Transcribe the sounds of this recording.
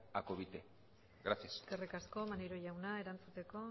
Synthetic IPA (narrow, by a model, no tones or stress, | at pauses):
akoβit̪e | ɡɾasiasɡerekasko̞manejɾo̞ʝawnae̞ɾant͡sut̪e̞ko̞